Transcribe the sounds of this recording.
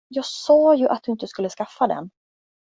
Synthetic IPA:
jɑːɡsɑːjɵʔat̪̚d̪ɵɪnt̪əskɵlːəskafːad̪ɛ̰n

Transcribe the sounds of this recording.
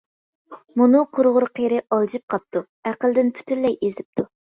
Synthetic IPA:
munʊqʰʊɾʁʊɾqʰeɾɪʔɑlˠd͡ʒip̚qʰɑp̚t̪u | æqəlˠd̪ɪnpʰy̥t̪ʰynːɛjezɪp̚t̪ʰu

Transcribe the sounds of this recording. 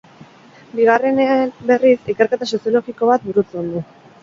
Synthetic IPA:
biɣ̞are̞neanbe̞risike̞ɾke̞t̪asosio̞loɣiko̞βat̪̚buɾut͡sond̪u

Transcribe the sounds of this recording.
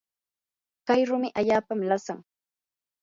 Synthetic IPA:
kajɾʊmɪʔaʎaːpamlasaŋ

